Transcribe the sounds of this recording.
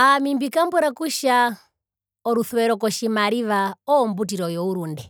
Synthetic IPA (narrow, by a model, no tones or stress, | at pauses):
amimbikambuɾakuʃa | ɔɾuθwɛɾɔkɔʃimaɾiʋaɔːmbut̬iɾɔjɔuɾundɛ